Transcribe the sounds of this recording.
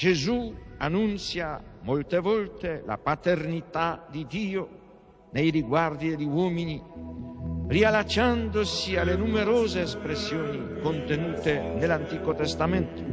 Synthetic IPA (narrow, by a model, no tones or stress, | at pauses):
d͡ʒezuanːunt̪sjamolt̪evɔlt̪ela̰pat̪ernit̪ad̪id̪iːo | nejriɡward̪id̪elːiwɔːmini | rialat͡ʃand̪osialenumeɾoːzeːspɾesjoːnikont̪enuːt̪enelant̪iːkot̪est̪ament̪o̥